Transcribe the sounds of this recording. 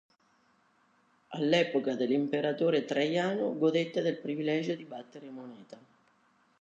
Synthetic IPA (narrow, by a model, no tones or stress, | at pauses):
a̰lːɛːpokad̪elːimpeɾat̪oːɾet̪ɾajaːnʊɡod̪et̪ːad̪elpɾivilɛd͡ʒod̪ibat̪ːeɾemonɛːt̪a